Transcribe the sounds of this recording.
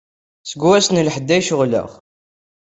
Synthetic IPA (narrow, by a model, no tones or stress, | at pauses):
səɡuæsnəlħəd̪ːæjʃʊʁlə̰ʁ